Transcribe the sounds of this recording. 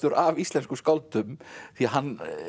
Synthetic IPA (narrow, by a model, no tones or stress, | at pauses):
t̪ʏɾavist̪lɛnskʏskawlt̪ʏmθiaɦanː